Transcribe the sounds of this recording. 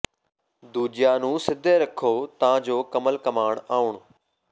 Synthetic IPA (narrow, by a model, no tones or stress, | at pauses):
d̪uːd͡ʑijaːnũːsɪd̪ʱeɾɐkʰoːt̪ɐʋ̤ãd͡ʑoːkɐməlkɐmaːɳ̃aːʊɳ̃